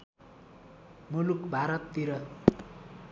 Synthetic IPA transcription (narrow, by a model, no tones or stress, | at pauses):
mulukbʱaɾʌt̪ːiɾʌ